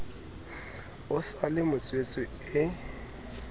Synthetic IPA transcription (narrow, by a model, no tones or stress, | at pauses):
ʊsalɪmʊt͡sʼwet͡sʼɪɪ